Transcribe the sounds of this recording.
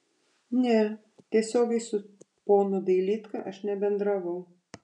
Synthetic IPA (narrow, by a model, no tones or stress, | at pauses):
nʲɛ | t̪ʲiɛsʲoːɡʲɛɪsʊ | poːnod̪ɐɪlʲiːt̪kɐʔɐʃnʲɛbʲɛnd̪ɾɐʋɐʊ